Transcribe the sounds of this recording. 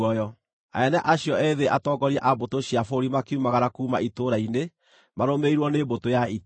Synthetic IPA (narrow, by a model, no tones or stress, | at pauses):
ɔjɔ | a̰ɛnɛʔaɕjɔɛðeʔatɔːɡɔɾiaʔabotoɕiafoɾimakiumaɣaɾakuːmaitoɾaine | maɾomeiɾwɔneːbotojai